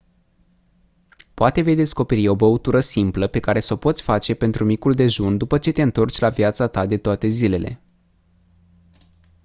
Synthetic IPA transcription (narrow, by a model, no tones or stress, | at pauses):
poat̪e̞ve̞jd̪e̞sko̞pe̞ɾio̞bəut̪uɾəsimpləpe̞kaɾe̞səpo̞t̪sʲfat͡ʃe̞pe̞nt̪ɾumikuld̪e̞ʒund̪upət͡ʃe̞t̪e̞ɨnt̪o̞rt͡ʃʲlavjat̪sat̪ad̪e̞t̪oat̪e̞zile̞le̞